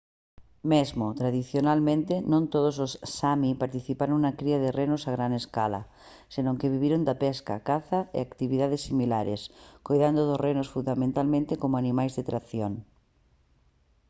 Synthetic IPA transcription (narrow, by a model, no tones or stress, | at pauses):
mezmot̪ɾaðiθjonalmẽnt̪enõnt̪oð̞os̬ossamipaɾt̪iθipaɾõŋnakɾiað̞erenosaɣ̞ɾaneska̰la̰ | senõŋkeβiβiɾond̪apɛska̰kaθaḛakt̪iβiðaðesːimilaɾḛskojðand̪oðosrenosfund̪amẽnt̪almẽnt̪ekomoanĩmajzðet̪ɾaθjoŋ